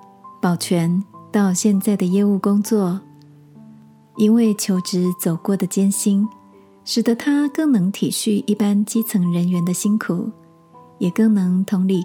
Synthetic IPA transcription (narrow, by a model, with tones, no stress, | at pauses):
pɑ˨˩ʊt͡ɕʰɥɛ˧˥nt̪ɑ˥˧ʊɕjɛ˥˧nt͡sa˥˩ɪd̪ə˩jɛ˥˧u˥˩kʊ˥ŋt͡swɔ˥˩ | i˥nwe˥˩ɪt͡ɕʰjo˧˥ʊʈ͡ʂɻ̩˧˥t͡so˨˩ʊkwɔ˥˩d̪ə˩t͡ɕjɛ˥nɕi˥n | ʂɻ̩˨˩d̪ə˦t̪ʰa˥kɤ˥˩ŋnɤ˧˥ŋt̪ʰi˨˩ɕy˥˧i˥˩pa˥nt͡ɕi˥t͡sʰɤ˧˥ŋɻə˧˦˥nɥɛ˧˥nd̪ə˧ɕi˥nkʰu˨˩˦ | jɛ˨˩kɤ˥˩ŋnɤ˧˥ŋt̪ʰʊ˧˥ŋli˥˩